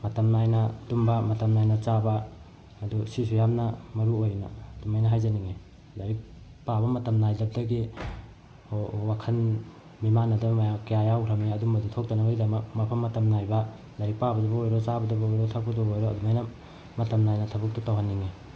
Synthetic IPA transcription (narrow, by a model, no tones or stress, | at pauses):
mɐtɐmnajnɐdumbɐmɐtɐmnajnɐt͡ʃabaː | dusis̬ujamnɐmɐɾuojna̰ɐdumajnɐɦajzaniŋe | dɐɾik̚ | pabɐmɐtɐmnajdɐp̚dɐɡi | owakʰɐn | mimanːɐdamajakjajawɾʰameɐdumbɐdutʰok̚tanaɡaɡidɐmɐk̚mɐpʰɐmːɐtɐmnajbɐ | dɐɾik̚pabɐdubɐojɾɔt͡ʃabɐdubɐojɾotʰak̚putɔbojɾoɐdumajnɐ | mɐtɐmnajnɐtʰɐbɐk̚tutawɦanːiŋe